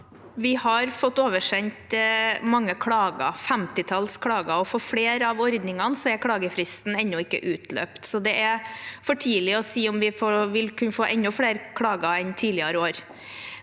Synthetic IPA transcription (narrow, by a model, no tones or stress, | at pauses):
ʋɪhɑɾfɔt̪ːoːʋəʂɛɲt̪mɑŋːəkʰɽɑːɡɑ̰fɛmt̪ɪt̪ʰɑlskʰɽɑːɡɑɔfɔɾfɽeːɾɑʋɔɾd̪nɪŋɑnsɔɛɾkʰɽɑːɡəfɾɪst̪n̩ɛnːʊɪkːə̰ʔʉːt̪ʰlø̰ːpt̪sɔd̪ɛʔæfɔʈʰiːlɪɔsiːɔmʋɪfɔʋɪlkʰʉnəfoːʔɛnːʊfleːɾkʰɽɑːɡɑɛnt̪ʰiːlɪɑɾoːɾ